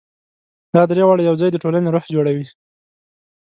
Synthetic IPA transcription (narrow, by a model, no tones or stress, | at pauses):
d̪̥ɑd̪ɾewɑɽajawd͡zɑjd̪əʈolaneɾoxd͡ʒoɽawi